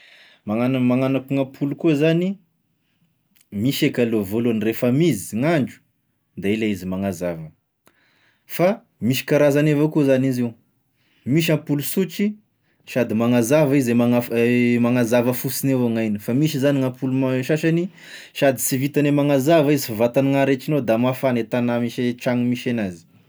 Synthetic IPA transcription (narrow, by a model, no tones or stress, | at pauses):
maŋanmaŋanakuŋapʰulukuzani | miʃekalovoluanirefəmizi̥ŋaɳɖ͡ʐu̥ | d̪ailaizimaŋazavə | fa | miʃi̥kaɾazanevakuzanizew | miʃ̬ãmpulusut͡ʃi | ʃad̪imaŋazavizemaafmaŋazavəfusinewaŋajnifamiʃizaniŋapulumaʃaʃani | ʃad̪i̥sivit̪anemaŋazavizifavat̪aniŋaɾet͡ʃinod̪amafanet̪anamiʃeʈ͡ʂaŋimiʃenazi̥